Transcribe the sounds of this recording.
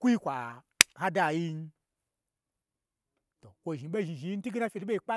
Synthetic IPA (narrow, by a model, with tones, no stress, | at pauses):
ku˦ji˦kʷa˨ | ha˦da˦˨ji˦n˦ | to˨kʷo˨ʒi˨˦ɓe˦˨ʒi˨ʒi˨˧ji˦n̩˦i˦ɡi˦na˦fʲe˨di˦ɓe˦i˨k͡pa˦